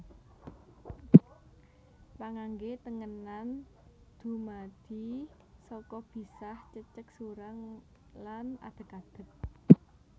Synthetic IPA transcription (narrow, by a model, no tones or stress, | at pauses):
paŋaŋɡet̪əŋənan | d̪̥ṳmad̪̥i̤ | sɔkɔb̥i̤saht͡ʃət͡ʃək̚suɾaŋ | lana̰d̪̥ə̤kad̪̥ə̤k̚